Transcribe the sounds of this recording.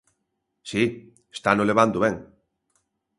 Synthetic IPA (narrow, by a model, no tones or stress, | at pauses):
si | est̪anoleβ̞and̪oβɛŋ